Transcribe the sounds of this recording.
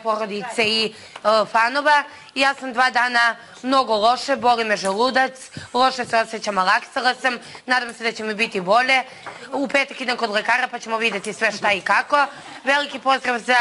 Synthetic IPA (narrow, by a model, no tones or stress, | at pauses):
po̞ɾod̪it̪sei | fano̞ʋa | jaːsamd̪ʋaːd̪aːna | mno̞ɡo̞lˠo̞ʃebo̞limeʒelˠud̪at̪slˠo̞ʃeseo̞set͡ɕamalˠaksalˠasamnaːd̪amse̞d̪at͡ɕe̞mibit̪ibo̞ʎe̞ | upeːt̪akid̪ankod̪lekaːɾapat͡ɕe̞moʋid̪jet̪isʋe̞ʃt̪aikako̞ | ʋelikipo̞zɾaʋza